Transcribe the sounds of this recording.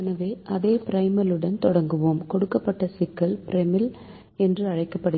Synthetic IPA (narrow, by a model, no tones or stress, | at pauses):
ɐnɐʋeːʔɐðeːpɪɾɐɪmɐlɯɽɐnt̪ɔɽɐŋɡɯʋoːmkɔɽɯkːɐpːɐʈːɐsɪkːɐlpɪɾɛmɪl | ɛndrɯɐɻɐɪkːɐpːɐɽɯ